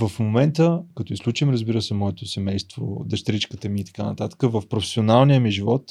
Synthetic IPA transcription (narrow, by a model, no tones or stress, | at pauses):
vəfmomɛnt̪əkɐt̪ɔislˠut͡ʃimɾəzbiɾəsɛmɔɛt̪osɛmɛjst̪vo̰d̪ɐʃt̪ɾit͡ʃkət̪əmiːt̪ɐ̥kanɐ̰t̪at̪ə̥kəvəfpɾofɛ̥sionalˠnijəmiʒivɔt̪